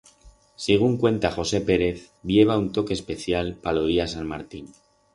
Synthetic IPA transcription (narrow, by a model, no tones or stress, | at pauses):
seɣ̞uŋkwe̞nt̪axo̞se̞pe̞ɾe̞θ | bje̞β̞aunt̪o̞ke̞ːspe̞θjalpaloɾias̬anma̰ɾt̪in